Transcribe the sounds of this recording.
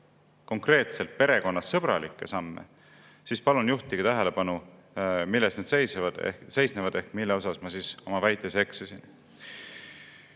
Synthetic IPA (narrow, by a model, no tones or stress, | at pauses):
ko̞ŋkre̞ːt̪selt̪̚pe̞ɾe̞ko̞nːɑsːɤb̥ɾɑlikːˑe̞sɑmːḛ | sispɑlunjuht̪iɡ̥et̪æɦe̞le̞pɑnu | milːest̪ned̪sejsevɑd̪̥ḛse̞jsnevɑd̪e̞hkmilːeo̞sɑsmɑsiso̞mɑvæjt̪ːˑese̞ksesin